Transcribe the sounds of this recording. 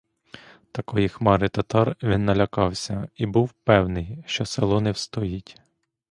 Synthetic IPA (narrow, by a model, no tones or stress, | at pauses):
t̪ɐkɔjixmɑɾɪt̪ɐt̪ɑrʋʲinːɐlʲɐkɑwsʲɐibuwpɛwnɪjʃt͡ʃɔselˠɔnɛwst̪ɔjitʲ